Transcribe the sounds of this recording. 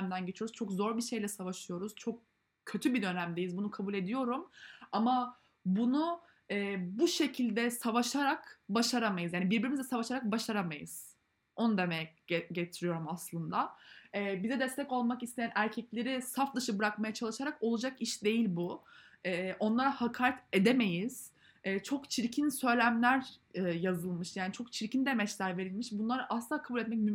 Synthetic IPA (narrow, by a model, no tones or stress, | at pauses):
md̪ænɟe̞t͡ʃʰijo̞ɾuz̥t͡ʃʰo̞kzo̞ɾbiʃe̞jlʲɛsavaʃɯjo̞ɾuz̥t͡ʃʰo̞k̚ | cʰːø̞t̪ʰybid̪ø̞næmd̪e̞jizbunukʰabulʲe̞d̪ijo̞ɾumama | bunu | ɛːbuʃe̞cʰilʲd̪ɛsavaʃaɾakbaʃaɾamajɯzjaːnibiɾbiɾimizd̪ɛsavaʃaɾak̚baʃaɾamajɯ̰z̥ | o̞nud̪e̞mɛɟet̪ʰiɾijo̞ɾumaslˠɯnd̪aɛːbizɛd̪ɛst̪ʰɛco̞lˠmakist̪ʰe̞jænʔæɾcʰɛclʲe̞ɾisafd̪ɯʃɯbɯɾakmajat͡ʃʰalˠɯʃaɾako̞lˠud͡ʒakiʃd̪e̞jilʲbu | ɛːʔo̞nlˠaɾahakʰaːɾɛt̪e̞d̪eme̞jiz̥ | ɛːt͡ʃʰo̞kt͡ʃʰiɾcʰinsø̞jlʲæmlʲæɾɛːjazɯlˠmɯʃjaːnit͡ʃʰo̞k̚t͡ʃʰiɾcind̪emɛt͡ʃlʲæɾve̞ɾilʲmiʃbunlˠaɾɯʔasakʰabulʲɛt̪̚mɛc̬̚mym